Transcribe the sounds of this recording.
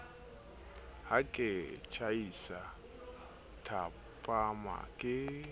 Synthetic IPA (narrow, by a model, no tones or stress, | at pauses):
hakʼɪt͡ʃʰajisa | tʰa | pʼama̰kʼɪ